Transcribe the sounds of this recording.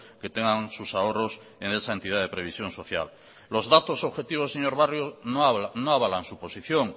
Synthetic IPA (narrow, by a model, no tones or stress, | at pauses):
ket̪eŋɡaŋsusaoros | enesae̞nt̪ið̞aðepɾe̞βisjõ̞nso̞θja̰lː | o̞zðat̪osoβxe̞t̪iβ̞oseɲo̞ɾβarjonnoaβalansupo̞siθjo̞ŋ